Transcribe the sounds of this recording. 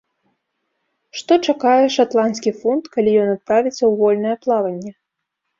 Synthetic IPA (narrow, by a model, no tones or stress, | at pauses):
ʂt̪ɔt͡ʂakajɛʂat̪lˠanskʲifunt̪kalʲijɔnat̪̚pɾavʲit̪sːɐwvɔlʲnɐjɛplˠavɐnʲːɛ